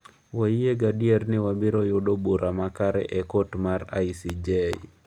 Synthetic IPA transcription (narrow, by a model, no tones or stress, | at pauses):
waieɡadiernɪwabiɾojoɗobuɾʔamakaɾɛ̰ʔɛkotmaɾa̰jsid͡ʒej̰